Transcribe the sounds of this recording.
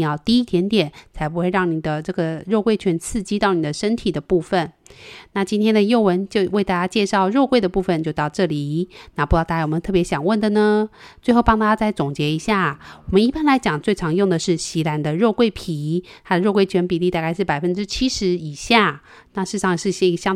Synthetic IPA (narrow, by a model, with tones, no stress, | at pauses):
jɑ˥˧ʊt̪i˥˧i˥˩t̪ʰjɛ˧˥nt̪jɛ˨˩nt͡sʰa˧˥ɪp̬u˧˥xwe˥˧ɪɻɑ˥˩ŋni˨˩d̪ə˦ʈ͡ʂɤ˥˩ɡə˩ɻo˥˧ʊkwe˥˩ɪt͡ɕʰɥɛ˧˥nt͡sʰɹ̩˥˩t͡ɕi˥t̪ɑ˥˩ʊni˨˩d̪ə˦ʂə˥nt̪ʰi˨˩d̪ə˩˦pu˥˩fə˨nna˥˩t͡ɕi˥nt̪ʰjɛ˥nd̪ə˨jo˥˩ʊwə˧˥nt͡ɕjo˥˧ʊwe˥˧ɪt̪a˥˧t͡ɕja˥t͡ɕjɛ˥˧ʂɑ˥˧ʊɻo˥˧ʊkwe˥˩d̪ə˩pu˥˩fə˨nt͡ɕjo˥˧ʊt̪ɑ˥˧ʊʈ͡ʂɤ˥˩li˨˩na˥˩pu˧˥t̪t̪a˥˧ja˥˩wɔ˨˩mə˦t̪ʰpjɛ˧˥ɕjɑ˨˩ŋwə˥˩nd̪ə˨nə˩t͡swe˥ɪxo˥˧ʊpɑ˥ŋt̪a˥˩t͡ɕa˥t͡sa˥˩ɪt͡sʊ˨˩ŋt͡ɕjɛ˧˥i˧˥ɕja˥˩wɔ˨˩mə˦ni˥˩pa˥nla˧˥ɪt͡ɕjɑ˨˩ŋt͡swe˥˩ɪʈ͡ʂʰɑ˧˥ŋjʊ˥˩ŋd̪ə˩ʂɻ̩˥˩ɕi˧˥la˧˥nd̪ə˧ɻo˥˧ʊkwe˥˩ɪpʰi˨˩˦t̪ʰa˥d̪ə˨ɻo˥˧ʊkwe˥˩ɪt͡ɕʰɥɛ˧˥npi˨˩li˥˧t̪a˥˧ka˥˧ɪʂɻ̩˥˩pa˨˩ɪfə˦˥nʈ͡ʂɻ̩˥t͡ɕʰi˥ʂɻ̩˧˥i˨˩ɕja˥˩ | na˥˧ʂɻ̩˥˧ʂʰɑ˥˧ŋ˧˩ʂɻ̩˥˧˩ɕɛ˥˧i˧ɡɕjɑ˥ŋ